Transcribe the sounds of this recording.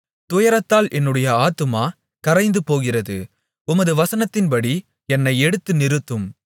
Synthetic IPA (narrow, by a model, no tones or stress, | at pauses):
t̪ʊjɐɾɐt̪ːaːlʔɛnːɯɽɐjɐaːt̪ɯmaː | kɐɾɐɪnd̪ɯpoːɣɪrɐðɯ | ʊmɐðɯʋɐsɐnɐt̪ːɪnpɐɽi | ɛnːɐɪɛɽɯt̪ːɯnɪɾɯt̪ːɯm